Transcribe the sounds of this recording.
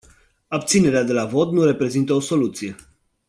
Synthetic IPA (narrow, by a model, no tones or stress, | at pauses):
abt̪sine̞ɾead̪e̞lavo̞t̪nuɾe̞pɾe̞zint̪əo̞so̞lut̪sije̞